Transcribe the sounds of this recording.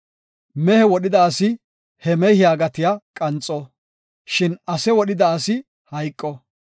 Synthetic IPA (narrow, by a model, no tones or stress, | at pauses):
mɛhɛwɔɗɪd̪ɐːsɪ | hɛmɛjhɪjaːɡɐt̪ɪjakʼɐnt͡sʼːɔ | ʃɪnɐsɛwɔɗɪd̪ɐːsɪ | hɐjkʼːɔ